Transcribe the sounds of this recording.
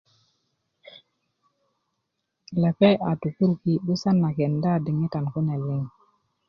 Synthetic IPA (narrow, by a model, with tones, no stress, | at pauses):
le˨pe˦ʔa˨tu˨ku˦ɾki˦ɓu˦sa˦nːa˨ke˨nda˦˨di˨ŋi˦ta˨nku˦ne˨li˦ŋ